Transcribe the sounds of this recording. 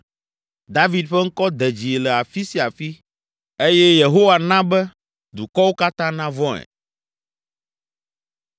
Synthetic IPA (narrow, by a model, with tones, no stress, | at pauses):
d̪a˦vi˦d̪ɸɛ˦ŋ̩˦kɔ˦d̪ɛ˨d͡ʑi˨lɛ˨a˨fi˦si˦a˨fi˦ | e˦jɛ˦je˨ɦo˦wa˨nã˦bɛ˦ | d̪u˨kɔ˦wo˦ka˦t̪ã˦nã˦vɔ̃˦ɛ̰˨